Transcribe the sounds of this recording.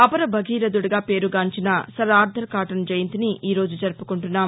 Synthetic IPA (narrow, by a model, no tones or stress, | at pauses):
ɐpɐɾɐbʱɐɡʱiːɾɐd̪uɽɐɡaːpe̞ːɾuɡaːɲt͡ʃinɐsɐɾaːɾd̪ʱɐɾkaːʈɐnd͡ʒɐjɐnt̪iniʔiːɾo̞ːd͡ʒud͡ʒɐɾpukuɳʈunːaːm